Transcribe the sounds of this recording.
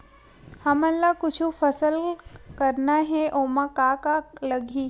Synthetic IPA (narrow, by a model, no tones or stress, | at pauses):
hɐməlːakʊt͡ʃʰufəsəlkəɾnaɦɛʔomakakaləɡʱi